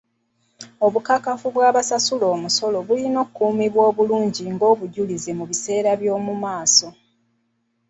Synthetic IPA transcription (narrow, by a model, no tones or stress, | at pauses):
o̞βukakafuβwaːβasasulo̞ːmuso̞lo̞βulino̞ːkːuːmiβwo̞ːβuluːɲɟiŋɡo̞ːβuɟulize̞muβise̞ːɾaβjo̞ːmumaːso̞